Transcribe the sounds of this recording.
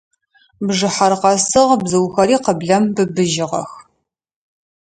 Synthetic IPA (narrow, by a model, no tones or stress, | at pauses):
bʐɨħarqɐsɨʁbzɨwxɐɾiːqəbɮɐmbɨbɨʒɪʁɐ̰x